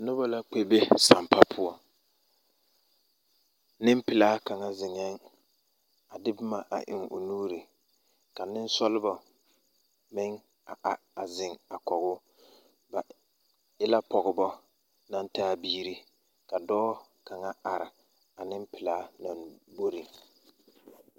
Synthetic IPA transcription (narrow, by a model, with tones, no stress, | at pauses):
nʊ˦ba˦la˦k͡pe˦be˦sa˨mpa˦pʰʊ˦ɔ˦ | nɪ˦m˦pɪ˨laː˦ka˨ŋa˦zɪ˨ŋɛ˦ŋ | a˨dɪ˦bɪ˦ma˨ʔa̰˨ʔɪ̰˨ŋo̰˨nuː˦ɾi˨ | ka˨nɪ˦n˦sɔ˦lɪ˦bɔ˨ | mɪ˦ŋ | a˨ʔa˨ | a˨zɪ˨ŋa˨kɔ˨ɣʊ˦ | ba˨ | ɪ˦la˦pɔ˨ɣɪ˨bɔ˦ | na˦ntaː˦biː˦ɾi˦ | ka˨dɔː˦ | ka˨ŋa˦a˨ɾɪ˨ | a˨nɪ˦mpɪ˨laː˨˦nɔ˨nbo˦ɾi˨